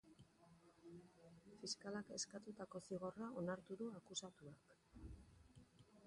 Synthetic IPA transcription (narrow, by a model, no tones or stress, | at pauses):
fiskalake̞skat̪ut̪ako̞siɣ̞o̞rao̞naɾt̪uðuakusat̪uak